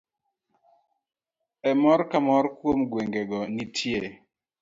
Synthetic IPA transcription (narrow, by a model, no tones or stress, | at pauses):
ɛmɔɾkamɔɾkwomɡweŋɡɛɡɔnitʰje